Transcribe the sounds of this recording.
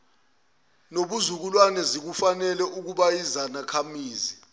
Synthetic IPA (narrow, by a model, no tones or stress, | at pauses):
noɓuzuk̬ulwanɛzik̬ufanɛlɛʔuk̬uɓajizanakʰamiːzi